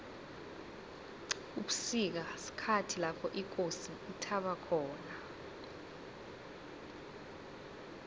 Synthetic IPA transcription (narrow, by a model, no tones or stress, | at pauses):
uɓusik̬asi̥kʰatʰilapʰɔʔik̬osiːtʰaɓakʰɔːna